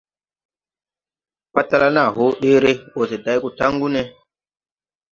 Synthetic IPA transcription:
pa˦tːa˦la˦na˦˨ɦo˦ɗe˦ɾe˦wo˨se˨da˨˦jku˨ta˦ŋɡu˦ne˦

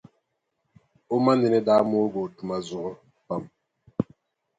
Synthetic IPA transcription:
o˦ma˦ne˨nɛ˦daː˦mo˦ɡo˨tu˨ma˨zu˨ɣɔ˦ | pa˨m

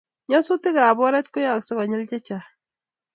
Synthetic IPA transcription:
ɲɔ˦su˦tɪ˦ka˨bɔ˦ɾɛ˦t̪kʊ˦ja˦˨ksɪ˦ka˨ɲɪ˦lt͡ʃɛ˦t͡ʃa˨

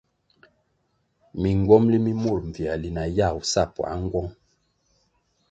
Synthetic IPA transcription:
mi˨ŋ˨ɡwɔ˦mli˦mi˦mu˦˨ɾɱ˨vi˨a˨li˨na˨ja˦˨wu˨sa˦˨pɔ˨a̰˦ŋ˦ɡwɔ˦ŋ

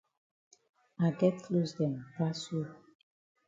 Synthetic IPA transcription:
a˨ɡɛ˦t̚kʰlosdɛ̃˨nbɹa˦su˦

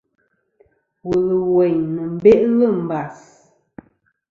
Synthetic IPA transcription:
wu˨lə˨we˨ɲnə˨m̩˦˨be˦ʔlə˦˨m̩˨ba˨s

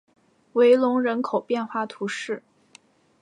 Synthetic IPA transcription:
we˧˥ɪlʊ˧˥ŋɻə˧˥nkʰo˨˩ʊpjɛ˥˧nxwa˥˩t̪ʰu˧˥ʂɻ̩˥˩

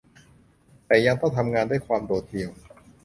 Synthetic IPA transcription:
t̪ɛː˨˩ja˧ŋt̪ɔ˥˩ŋt̪ʰa˧mŋaː˧ndaː˥˩jkʰwaː˧mdoː˨˩t̪̚di˧əw

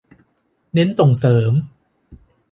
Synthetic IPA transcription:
ne˦˥nso˨˩ŋsɤː˩˦m

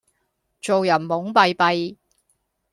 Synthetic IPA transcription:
t͡so˨wjɐ˨˩nmʊ˨˥ŋpɐ˨˧jpɐ˨j

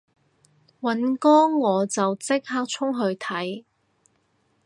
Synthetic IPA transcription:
wɐ˨˥nkɔː˥ŋːɔː˨˧t͡sɐ˨wt͡sɪ˥k̚haː˥k̚t͡ʃʰʊ˥ŋɦɵ˧ɥt̪ʰɐ˨˥j

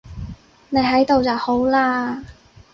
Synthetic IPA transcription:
ne˨˧jɦɐ˨˥jt̪o˨wt͡sɐ˨who˨˥wlaː˥

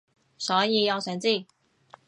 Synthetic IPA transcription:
sɔ˨˧˥ji˧˩jɑ˥˧wsʰɛ˨˧˥nt͡si˥˩

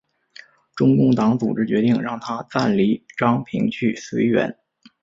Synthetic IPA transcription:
ʈ͡ʂʊ˥ŋkʊ˥˩ŋt̪ɑ˧˥ŋt͡sṵ˨˩ʈ͡ʂɻ̩˥t͡ɕɥɛ˧˥t̪i˥˩ŋɻɑ˥˩ŋt̪ʰa˥t͡sa˥˩nli˧˥ʈ͡ʂɑ˥ŋpʰḭ˧˥ŋt͡ɕʰy˥˩si˧˥ɪɥɛ̰˧˥n

